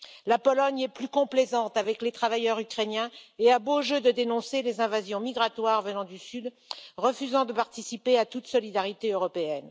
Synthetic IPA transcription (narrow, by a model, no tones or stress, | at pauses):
lapɔlɔɲɛplykɔ̃plezɑ̃t̪avɛklet̪χavajœʁykχenjɛ̃eaboʒød̪əd̪enɔ̃selezɛ̃vazjɔ̃miɡʁat̪waʁvənɑ̃d̪ysyd̪ | ʁəfyzɑ̃d̪əpaʁt̪isipeat̪ut̪sɔlid̪aʁit̪eøʁɔpeɛn